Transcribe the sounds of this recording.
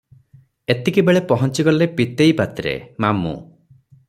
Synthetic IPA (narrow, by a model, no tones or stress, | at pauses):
et̪ikibeɭepɔɦɔnt͡ʃiɡɔlepit̪ejpat̪ɾḛmamṵ